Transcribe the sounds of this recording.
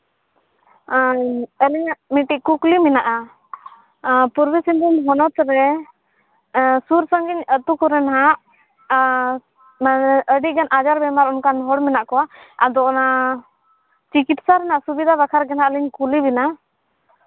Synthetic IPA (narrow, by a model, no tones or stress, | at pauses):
əlɛɲaʔmiʈiʔkukliminaʔa | puɾbisind̪ɔmɦɔnɔt̪ɾɛ | suɾsəŋɡiɲət̪ukɔɾɛnaɦaʔ | maʔəɖiʔɡanʔad͡ʒaɾbɛmaɾɔnkanɦɔɽmɛnaʔkɔwa | a̰d̪ɔʔɔna | t͡ʃikit̪saɾɛnaʔsubid̪ʱabakʰaɾɡɛnaʔəliɲkuliβina